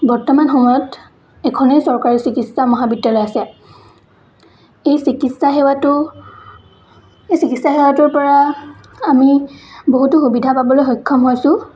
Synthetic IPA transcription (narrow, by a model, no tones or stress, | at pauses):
bɔɹtɔmanxɔmɔjɔt | ɛkʰɔnejsɔɹkaɹisikitsamɔɦabidjalɔjasɛ | ejsikitsaxewatʊ | ejsikitsaxewatʊɹpɔɹa | amiboɦutʊxubidʱapabɔlojxɔjkʰːɔmɦojsʊ̃